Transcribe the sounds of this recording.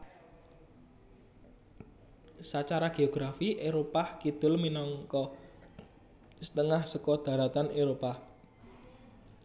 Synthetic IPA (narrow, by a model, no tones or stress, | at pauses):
sat͡ʃaɾaɡ̥eoɡ̥ɾafiʔeɾopahkid̪̥ʊ̤lminɔŋkɔ | sə̥t̪əŋahsəkɔd̪̥a̤ɾat̪aneɾopa